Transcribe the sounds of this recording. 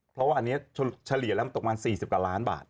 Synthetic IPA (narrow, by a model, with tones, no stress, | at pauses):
pʰɾɔ˦˥waː˥˧ʔa˧nːi˦˥ɐt͡ɕʰt͡ɕʰa˧li˨˩ɐlɛ˦˥ma˧t̪o˨˩k̚maː˧nsiː˨˩si˨˩p̚ka˧˩laː˦˥nba̰ː˨˩t̪̚